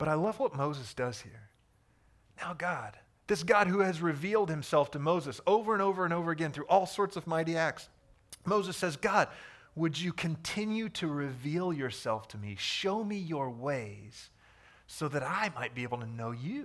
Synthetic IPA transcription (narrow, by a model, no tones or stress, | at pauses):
b̥ʌɾaɪlʌvwʌt̚moʊzɨsd̥ʌz̥hiɹ | naʊɡɑd̥̚ | ðɪsɡ̥ɑd̚huɨzɹɨvilˠd̚hɨ̃msɛlˠftʰɨmoʊzɨsoʊvə˞ɨ̃ñoʊvə˞ɨ̃ñoʊvə˞ɨɡɛ̃nθɹʉʔɔlˠsɔɹtsʌvmaɪɾiæk̚ts | moʊzɨsɛzɡɑd̚wɨd͡ʒɨkʰɨ̃ntʰɪ̃njʉɾɨɹɪvilˠjə˞sɛlˠftʰɨmḭʃoʊmijə˞weɪz̥ | soʊðɨɾaɪmaɪt̚b̥ieɪbl̩ˠtʰɨnoʊjʉ